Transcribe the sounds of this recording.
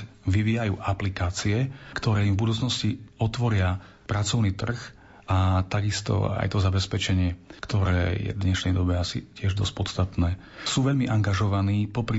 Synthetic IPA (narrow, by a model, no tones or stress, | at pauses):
ʋiʋiːjajṵːʔaplikaːt͡siɛkt̪ɔɾɛːimvbud̪uːt͡snɔsciɔt̪ʋɔɾɪa | pɾat͡sɔʊniːt̪r̩x | ʔat̪aɡist̪ɔ̰a̰jt̪ɔzabɛspɛt͡ʃɛɲɪɛkt̪ɔɾɛ̰ːjɛ̰d̪ɲɛʃnɛjd̪ɔbɛasḭcɪɛʒd̪ɔsc̚pɔt̪st̪at̪nɛː | suːʋɛʎmiʔaŋɡaʒɔʋaniːpɔpɾi